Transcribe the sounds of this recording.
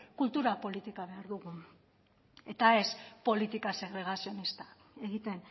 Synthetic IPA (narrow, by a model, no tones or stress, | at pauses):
kult̪uɾapo̞lit̪ikaβ̞e̞aɾðuɣu | e̞t̪ae̞spo̞lit̪ikase̞ɣɾe̞ɣ̞asio̞nist̪ḁ | e̞ɣit̪e̞n